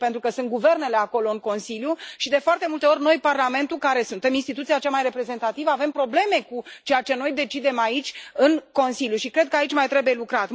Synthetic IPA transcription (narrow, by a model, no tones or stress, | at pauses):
pe̞nt̪ɾukəsunt̪̚ɡuve̞rne̞le̞ako̞lo̞ɨŋko̞nsiljuʃid̪e̞foart̪e̞mult̪e̞o̞rʲno̞jparlame̞nt̪ukaɾe̞sunt̪e̞minst̪it̪ut̪sijat͡ʃamajre̞pɾe̞ze̞nt̪at̪ivəave̞mpɾo̞ble̞me̞kut͡ʃe̞jat͡ʃe̞no̞jd̪e̞t͡ʃid̪e̞mait͡ʃʲɨnko̞nsiljuʃikɾe̞d̪̚kəait͡ʃʲmajt̪ɾe̞buje̞lukɾat̪